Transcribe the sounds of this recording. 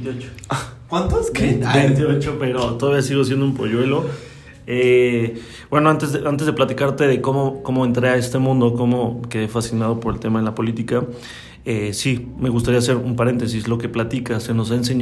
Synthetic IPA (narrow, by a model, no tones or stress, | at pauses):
t̪ot͡ʃo̥akwant̪oskeet̪iot͡ʃope̞ɾot̪o̞ðaβiasiɣo̞as̬je̞nd̪oumpo̞̰ʝwe̞lo̞ | e | b̥we̞no̞ant̪e̞zðeʔant̪e̞zð̞e̞plat̪ikaɾt̪e̞ðe̞ko̞mo̞ko̞mo̞e̞nt̪ɾeae̞st̪e̞mũnd̪o̞ko̞mo̞ke̞ðefasinað̞o̞po̞ɾe̞lt̪e̞maðelapo̞lit̪ika | esime̞ɣust̪aɾias̬e̞ɾumpaɾe̞nt̪e̞s̬islo̞ke̞plat̪ikaseno̞s̬aens̬e̞ɲ